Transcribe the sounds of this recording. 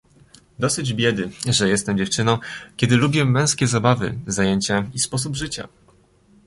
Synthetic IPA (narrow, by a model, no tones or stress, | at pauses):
d̪ɔsɘd͡ʑbʲjɛd̪ɘʐɛjɛst̪ɛmd͡ʑɛft͡ʂɘnɔ̃w̃kʲɛd̪ɘlubʲjɛmːɛ̃w̃skʲɛzabavɘ̰zajeɲt͡ɕaispɔs̬ubʐɘt͡ɕa̰